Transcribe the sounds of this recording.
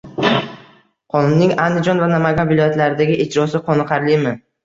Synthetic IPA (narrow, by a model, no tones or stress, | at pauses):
qʰɒnʊnːɪŋand̪ɪd͡ʒɒnvanamaɡʲanvɪlɒjat̪laɾɪd̪aɡʲɪʔed͡ʒɾɒsɪqʰɒnɨqʰɑɾlɪmɪ